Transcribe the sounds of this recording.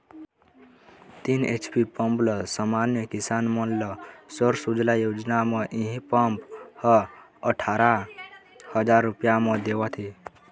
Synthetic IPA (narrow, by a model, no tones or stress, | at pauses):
t̪inḛt͡ʃpipəmpləsəmanjəkisanmənləsəɾsud͡ʒlajod͡ʒnameʔiɦĩpəmphə | əʈʰaɾa | həd͡ʒaɾːupjaməd̪ewət̪ʰi